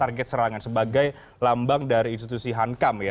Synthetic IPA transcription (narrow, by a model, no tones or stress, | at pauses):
arɡɛt̪̚səɾaŋansəbaɡaj | lambaŋdaɾiːnst̪it̪usiɦaŋkamja